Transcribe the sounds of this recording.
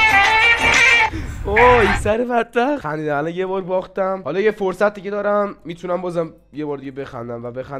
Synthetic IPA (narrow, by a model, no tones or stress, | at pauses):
oisæɾebæd̪̚bæxxæniːd̪æmælɒnjebɒːɾbɒːxt̪æmhɒlɒjefoɾsæt̪̚d̪iːced̪ɒːɾæmːiːt̪ʰunæmbɒːzæm | jebɒːɾd̪iɟebe̞xæ̰nd̪æmvæbexæn